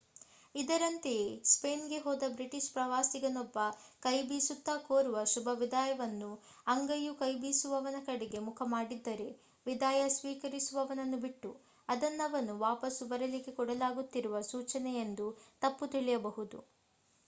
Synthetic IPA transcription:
id̪ɐɾɐnt̪espeːnɡe̞ɦɔːd̪ɐbɾiʈiʃpɾɐʋaːsiɡɐnɔbːɐkɐjbiːsut̪ːaːkoːɾuʋɐʃubʱɐʋid̪aːjɐʋɐnːu | ɐŋɡɐjukɐjbiːsuʋɐʋɐnɐkɐɽeɡe̞mukʰɐmaːɽid̪ːɐɾe̞ | ʋid̪aːjɐsʋiːkɐɾisuʋɐʋɐnɐnːubiʈːu | ɐd̪ɐnːɐʋɐnuʋaːpɐsubɐɾɐlikekɔɽɐlaːɡut̪ːiɾuʋɐsuːt͡ʃɐnɛjend̪ut̪ɐpːut̪iɭɛjɐbɐɦud̪ṵ

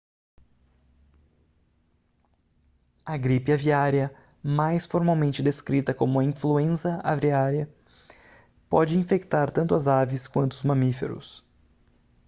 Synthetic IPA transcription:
ɐɡɾipiaviaɾjɐ | majsfoɾmawmẽnt͡ʃɪd̪eskɾit̪ɐkõmʊɐĩfluẽsɐa̰vɾiaɾjɐ | pɔd͡ʒɪĩfekt̪aɾt̪ɐ̃nt̪ʊɐzavɪskwɐ̃nt̪ʊʊzmɐ̃mifḛɾʊ̰s

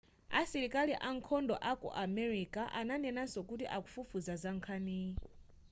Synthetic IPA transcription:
a̰siɾikaliʔaŋ̩kʰɔndɔ̰ʔakɔ̰ʔamɛɾikaʔananɛnasɔkutiʔaku̥fufuzazaŋkʰani

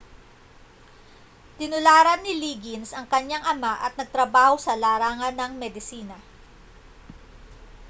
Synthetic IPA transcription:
t̪ɪnʊlaːɾɐnːɪliːɡɪnsɐŋkɐɲaŋʔɐmaʔɐ̰t̪̚nɐɡ̚t̪ɾɐbaːhosɐlaːɾaːŋɐnːɐŋmɛd̪ɪsiːnɐ

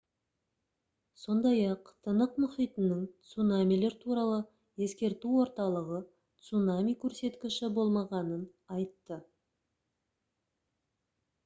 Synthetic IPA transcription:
so̞nd̪ɑjɑqt̪ʰənəqmʊχijt̪ənəŋt̪sunamʲijle̞ɾt̪ʰuɾɑlˠə | e̞skʲe̞ɾt̪uwo̞ɾt̪ɑlˠəʁə | t̪sunamʲijkʲʰɵɾse̞t̪kʲɪʃɪbo̞lˠmɑʁɑnən | ɑjt̪ːə

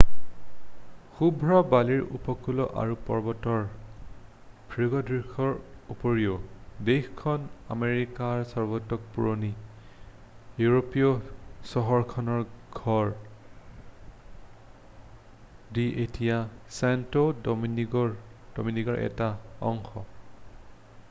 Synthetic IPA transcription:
xubʱɹɔbaliɹṵpɔkulɔʔa̰ɹupɔ̰ɹbɔtɔɹ | bʰʱɹiɡɔdɹixɔɹupoɹiɔdexkʰɔna̰meɹikaɹsɔɹbɔtːɔk̚puɹoni | juɹopiɔsɔɦɔɹkʰɔnɔɹɡʱɔɹ | diʔetijasantodɔminiɡɔd̥o̰miniɡɔɹʔɛ̰taɔ̰ŋxɔ

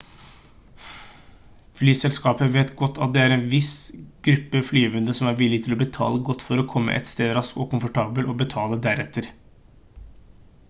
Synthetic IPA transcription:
flyːsɛlskɑːpəʋeːt̪ɡɔt̪ːɑ̰t̪̚d̪ɛæːɾɛːnʋɪsɡ̥ɾʉpːəflyːʋʉnd̪əsɔmæɾʋɪlːɪt̪ʰɪlɔbət̪ʰɑ̰ːləɡɔt̪ːfɔɾɔkʰɔmːə̰ʔɛ̰t̪st̪eːd̪ɾɑskɔːkʊmfɔʈʰɑːbəlɔbət̪ʰɑːləd̪æɾɛt̪ʰːəɾ

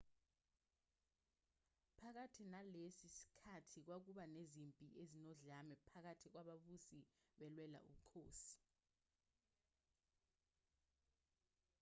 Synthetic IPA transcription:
pʰak̬atʰinalesisi̥kʰatʰik̬wak̬uɓanezimpʼiʔezinɔɮamɛpʰak̬atʰik̬waɓaɓusiɓɛlwɛla̰ʔṵkʰoːsi̥

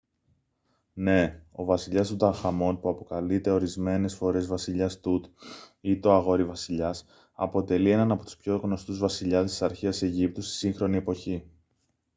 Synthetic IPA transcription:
ne̞o̞vɐsiʎɐst̪ut̪ɐxɐmo̞npuɐpo̞kɐlit̪e̞o̞ɾizme̞ne̞sfo̞ɾe̞zvɐsiʎɐst̪ut̪it̪o̞ɐɣo̞ɾivɐsiʎɐs | ɐ̰po̞t̪e̞lie̞nɐnɐpo̞t̪u̥spço̞ɣno̞st̪uzvɐsiʎɐst̪isɐɾçiɐse̞ʝip̚t̪ust̪i̥siŋxɾo̞nie̞po̞çi

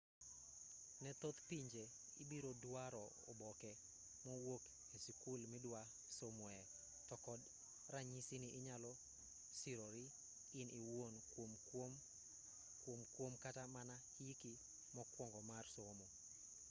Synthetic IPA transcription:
nɛt̪ot̪piɲd͡ʒe | ibiɾodwaɾɔ | o̰bɔkɛ | mɔwok | esikulmɪdwa | somwɛ | tɔkɔd | raɲisinɪʔɪɲalɔ | siɾoɾi | ɪniwon | m | kwomkwomkatamanahiki | mɔkwɔŋɡɔmarsomo

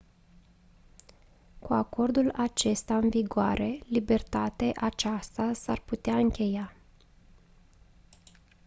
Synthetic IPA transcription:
kuako̞rd̪ulat͡ʃe̞st̪aɨnviɡoa̰ɾʔe̞libe̞rt̪at̪eʔat͡ʃast̪asarput̪eaɨŋkʲe̞ja

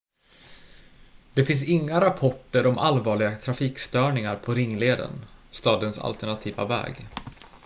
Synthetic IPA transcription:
d̪̥ɛfɪns̬ɪŋːaɾapʰɔʈːəɾɔmʔalvɑːɭɪɡat̪ʰɾafiːkst̪œːɳɪŋaɾpʰɔɾɪŋːleːd̪ə̰nst̪ɑːd̪ənsa̰lt̪ɛɳat̪ʰiːva̰vɛ̰ːɡ

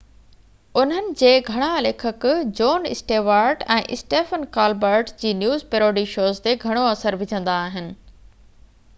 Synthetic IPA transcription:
ʊn̤ənɪ̆d͡ʑeːɡʱɐɽ̃aɐleːkʰəkd͡ʑoːnɪ̰sʈeːʋaːɾʈɛ̰̃ːʔɪsʈeːfənkaːlbəːɾʈd͡ʑiːnjuːzpeɾoːɖiʃoːzt̪eɡʱɐɽ̃oɐsəɾʋɪd͡ʑʱə̃nd̪aːɦɪnɪ̆

